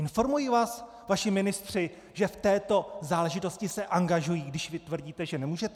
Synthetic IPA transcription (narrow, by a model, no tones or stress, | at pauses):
ɪnfo̞ɾmujiːvaːs | vaʃɪmɪnɪst̪r̝̥ɪ | ʒɛft̪ɛːt̪o̞zaːlɛʒɪt̪o̞scɪsɛʔaŋɡaʒujiːɡdɪʃvɪt̪vrɟiːt̪ɛʒɛnɛmuːʒɛt̪